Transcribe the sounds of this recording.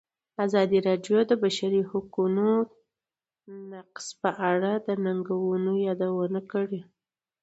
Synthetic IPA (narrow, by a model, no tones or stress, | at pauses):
azɑd̪iɾɑɖjod̪əbaʃaɾihukuno | naqspəʔaɽad̪ənaŋɡawunojɑd̪awənakəɽi